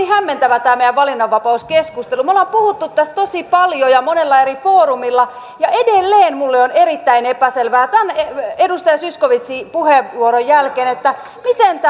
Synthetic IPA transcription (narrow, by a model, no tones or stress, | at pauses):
ihæmːent̪æʋæt̪æːmejæʋʋɑlinːɑʋʋɑpɑuskeskust̪elumolempuhut̪ːut̪tːæst̪t̪osipɑljojɑmonelːɑerifoːrumilːɑ | jɑedelːeːnmulːeonerit̪ːæinepæselʋæːt̪æneedust̪ɑjɑsyskoʋit̪sipuheʋuoɾojjælkeːnet̪ːæ | mit̪ent̪æ